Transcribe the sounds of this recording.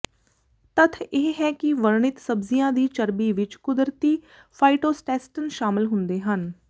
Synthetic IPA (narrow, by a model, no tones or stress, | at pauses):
t̪ət̪ʰeːɦɛːkɪʋəɾɳɪt̪səbzijãːd̪iːt͡ʃəɾbiːʋɪt͡ʃkʊd̪ɾt̪iː | pʰaːiʈoːsʈɛːsʈənʃaːmɪlɦʊnd̪eːɦən